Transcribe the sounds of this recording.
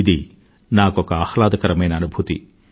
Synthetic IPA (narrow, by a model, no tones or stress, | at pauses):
id̪i | naːkɔkɐaːhlaːd̪ɐkɐɾɐmɐjnɐːnubʱut̪ḭ